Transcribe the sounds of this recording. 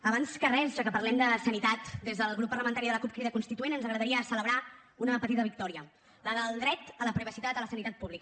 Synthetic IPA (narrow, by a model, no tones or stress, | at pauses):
əβanskərɛzʒakəpəɾlɛmd̪əsənit̪at̪d̪ezðəlˠɣɾupːərɾləmənt̪aɾiðələkup̚kɾiðəkunst̪it̪uenənzəɣɾəðəɾiəsələβɾa | unəpət̪it̪əβik̚t̪ɔɾiə | ləðəlˠd̪ɾɛt̪ələpɾiβəsit̪at̪ələsənit̪at̪̚puβlikə